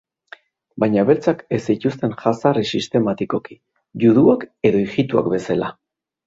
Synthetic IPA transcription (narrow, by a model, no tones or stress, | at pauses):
bajɲaβe̞ɾt͡sakesicust̪e̞nʝasarisist̪e̞mat̪iko̞ki̥ | ʝuðuake̞ðo̞iʝit̪ua̰kbe̞sala